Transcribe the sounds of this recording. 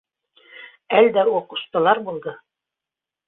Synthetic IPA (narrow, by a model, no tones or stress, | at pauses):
æld̪æuqŭ̥ʃt̪ɤ̆lˠɑɾbulˠd̪ɤ